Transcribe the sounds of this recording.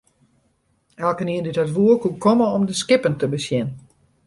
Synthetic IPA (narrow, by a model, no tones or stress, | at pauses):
ɛlˠkəniəndythatʋuəkukʰɔməɔmdəskɪpəntəbəsjɛn